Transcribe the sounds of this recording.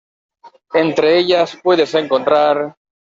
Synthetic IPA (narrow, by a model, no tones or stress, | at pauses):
ent̪ɾeeʎaspwe̞ðese̞ŋko̞nt̪ɾaɾ